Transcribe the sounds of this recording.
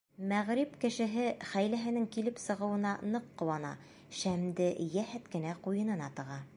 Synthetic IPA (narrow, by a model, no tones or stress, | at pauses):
mæʁɾipkɘ̆ʃɘ̆ɦɘχæjlæɦɘ̆nɘŋkilɘpsɤ̆ʁɤ̆wɤ̆nɑnɤqːɤ̆wɑnɑ̰ | ʃæmd̪ɘjæhæt̪kɘ̆næqujɤ̆nɤ̆nɑt̪ɤ̆ʁɑ